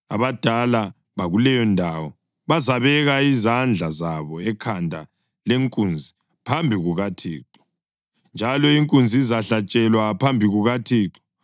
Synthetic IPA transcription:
a̰βad̥ʱala | βaɣulɛjɔndʱawɔ | βazaβɛɣaizand͡ɮʱazaβɔɛkʰandʱa̰ | leŋkʼund͡zʱi | pʰambʱiɣuɣatʰiːǁɔ̥ | nd͡ʒʱalɔiŋkʼund͡zʱiizaɬat͡ʃʼɛlwapʰambʱiɣuɣatʰiːǁɔ̥

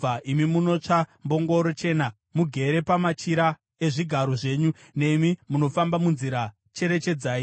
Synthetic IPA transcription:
aʔimimuno̞t͡ʂambo̞ŋɡo̞ɾot͡ʃe̞ːna | muɡʱe̞ɾe̞pamat͡ʃiɾa | e̞ʐiɡʱaɾo̞ʐe̞ːɲu | ne̞mimuno̞fambamunziɾa | t͡ʃe̞ɾe̞t͡ʃe̞d͡zaːi

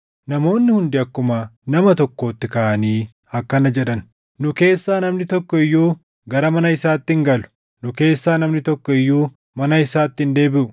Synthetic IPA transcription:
nɐmo̞ːnːɪhʊnd̪ɪɐkːʊmanɐmɐt̪ɔkːo̞ːt̪ːɪkaʔɐniː | ɐkːɐnɐd͡ʒɛᶑɐn | nʊke̞ːsːaːnɐmnɪt̪ɔkːɔɪjːuː | ɡɐɾɐmɐnɐɪsaːt̪ːɪŋɡɐlʊ̥ | nʊke̞ːsːaːnɐmnɪt̪ɔkːɔɪjːuː | mɐnɐɪsaːt̪ːɪnd̪e̞ːbɪʔʊ̥

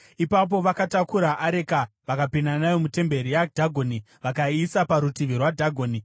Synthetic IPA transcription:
ipap̬o̞ʋakatakuɾaʔaɾeka | ʋakapinanajomute̞mbe̞ɾijadʱaɡʱoːni | ʋakaisapaɾutiʋirwadʱaɡʱoːni

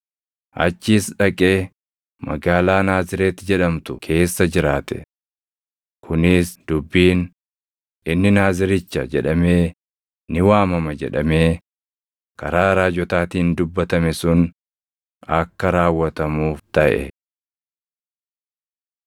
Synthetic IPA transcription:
ʔɐ̰t͡ʃːiːsᶑɐkʼeː | mɐ̰ɡaːlaːnaːzɪɾe̞ːt̪ːɪd͡ʒɛᶑɐmt̪ʊkʰe̞ːsːɐd͡ʒɪɾaːt̪ɛ̥̰ | kʰʊnɪsd̪̥ʊbːiːn | ɪnːɪnaːzɪɾɪt͡ʃːɐd͡ʒɛᶑɐme̞ː | nɪwaːmɐmɐd͡ʒɛ̰ᶑɐme̞ː | kɐɾaːɾaːd͡ʒɔt̪aːt̪iːnd̪ʊbːɐt̪ɐmɛsʊn | ɐkːɐɾaːwːɐt̪ɐmuːft̪ɐʔɛ̰

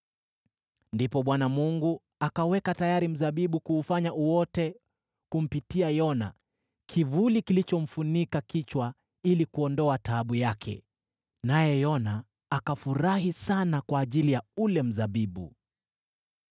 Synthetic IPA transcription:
ndipɔɓwanamuŋɡu | akawɛkatajaɾim̩zaɓiɓukuːfaɲaʔuwɔtɛ | kum̩pitiajɔna̰ | kʰivulikilit͡ʃɔm̩funikakit͡ʃwa | ilikuɔndɔataːɓujakʰɛ̰ | najɛjɔnaː | kafuɾaɦisanakwaːʄilijaulɛm̩zaɓiɓṵ

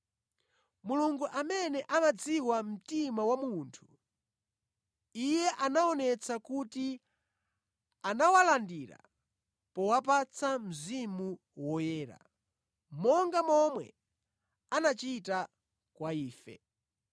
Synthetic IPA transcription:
muluŋɡuʔamɛnɛʔamad͡ziwam̩timawamuntʰu̥ | ijɛʔanaɔnɛt͡sakuti | anawalandiɾa̰ | pɔwapat͡sʰam̩zimu | wɔjɛːɾa̰ | mɔŋɡamɔmwɛ̰ | anat͡ʃita | kwaiːfɛ̰

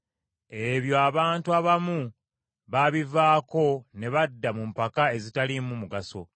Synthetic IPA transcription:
e̞βjo̞aβaːntuaβamu | βaβivaːko̞ne̞βadːamumpakae̞zitalimumuɡaso̞̰

